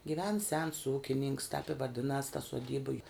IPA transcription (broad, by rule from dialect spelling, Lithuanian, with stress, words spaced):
ɡʲɪˈʋʲɛn sʲɛns ˈuːkʲɪnʲɪŋks tʲɛp ɪ ʋɐˈdʲɪnɐs tɐ suɔˈdʲiːbɐ jʊ